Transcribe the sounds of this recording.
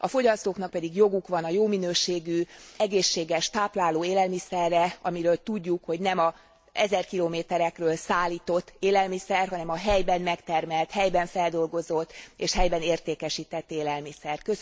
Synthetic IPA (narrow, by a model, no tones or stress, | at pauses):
ɒfo̞ɟɒst̪oːkn̪ɒk̚pɛd̪iɡjo̞ɡukʋɒnɒjoːminøːʃeːɡyɛɡeːʃːeːɡɛʃt̪aːplaːloːeːlɛlmisɛrːɛɒmiɾøːlt̪uɟːukho̞ɟnɛmɒ | ɛzɛrkiloːmeːt̪ɛɾɛkrøːlsaːlːiːt̪o̞t̪ːeːlɛlmisɛrɦɒnɛmɒɦɛjbɛnmɛkt̪ɛrmɛlt̪hɛjbɛɱfɛld̪o̞lɡo̞zo̞t̪ːeːʃhɛjbɛneːrt̪eːkɛʃiːt̪ɛt̪ːeːlɛlmisɛrkø